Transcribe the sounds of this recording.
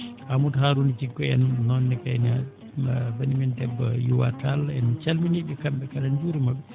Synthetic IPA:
amuthaɾunit͡ʃiɡːɔɛnːɔnːɛkajna | banimindɛbːɔjuwa̰talɛnt͡ʃalminiɗɛkamɓɛkaɗand͡ʒuɾimaɓɛ

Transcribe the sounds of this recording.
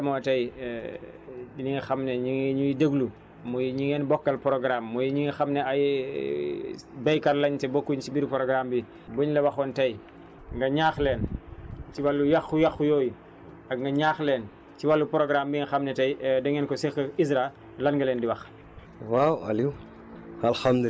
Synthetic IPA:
dɐmɔtɐj | iniŋxɐmneɲiŋɲujidəɡlu | mujɲiŋɛːnbɔkːɐlpɾoɡɾamːujiɲiŋxɐmnɛaj | bɐjkɐɾlɐɲtɛbokːuɲt͡ʃibiɾpɾoɡɾaːmbi | buɲlɐwɐxɔntɐj | ŋɡɐɲaːxleːnt͡ʃiwalːujaxujɐxujoːju | ɐɡ̚ŋɡɐɲaːxleːn | t͡ʃiwalːupɾoɡɾambiŋxɐmnɛtɐjdɛŋɛːnkɔsixɐisɾa | lɐnɡɐlɛːndiwɐx | wawa̰liw | alxamd̪

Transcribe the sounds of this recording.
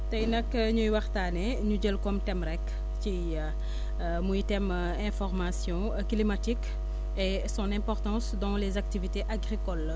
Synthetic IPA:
tɐjnɐkːəɲujwɐχtaːnɛ | ɲuɟəlkɔmtɛmɾɛk | t͡ʃi | mujtɛm | ɛ̃fɔʁmasjɔ̃ | klimatik | e | sɔ̃nɛ̃pɔʁt̪ɑ̃ːsdɔ̃lezak̚tiviteʔaɡʁikɔl

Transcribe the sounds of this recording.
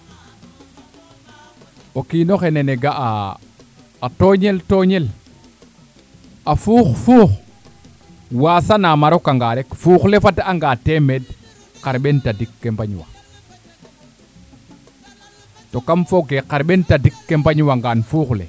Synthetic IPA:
okinoxeneneɡaʔa | toːɲeltoɲel | afuːxfuːx | waːsanamaɾokaŋɡaɾekfuxlefataaŋɡaːtemed | qaɾɓentadikːembaɲwa̰ | tokamfoɡeqaɾɓentadikːembaɲwaŋɡanfuːxlḛ

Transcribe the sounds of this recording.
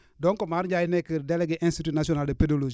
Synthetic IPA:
dɔŋkomaɾd͡ʒajinekəɾdeleɡeʔĩnstitunasionaldepedolod͡ʒ

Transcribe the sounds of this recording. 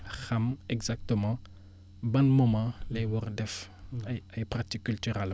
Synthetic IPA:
xɐmɛɡzak̚t̪əmɑ̃ | bɐnmɔmɑ̃lɛjwɔɾdɛf | ɐjɐjpɾat̪ikːyltyʁɛl

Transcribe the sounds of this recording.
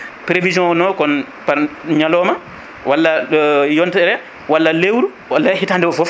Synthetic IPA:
pɾevid͡ʒɔ̃nɔkɔn | paɾɲalɔma | walːajɔntɛɾɛ | walːalewɾu | walːahitandɛɔfɔf

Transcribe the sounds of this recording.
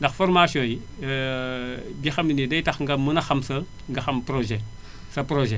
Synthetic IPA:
ndɐxfoɾmasijõːji | bixɐminidɐjtɐxŋɡɐmunɐxɐmsɐ | ŋɡɐxɐmpɾoʒe | sɐpɾoʒɛ

